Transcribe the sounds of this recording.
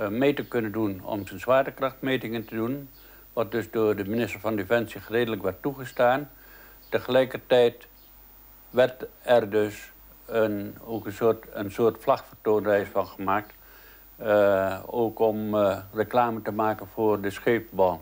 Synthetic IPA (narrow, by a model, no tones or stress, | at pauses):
meːtəkønəndunɔ̰msənsʋaːtəkrɑxtmeːtɪŋəntədun | ʋɑt̚døsdʊːrdəminɪstərfɑndefɛnsiχəreːdələkʋɛrtːuχəstaːn | təχəlɛjkərtɛjt | ʋɛrtɛrdøs | əoːkənsoːtənsoːrtflaxfərtoːnərɛjsfɑnxəmaːk̚t | oːkɔmrəklaːmətəmaːkənfʊːrdəsχeːpbɔlˠ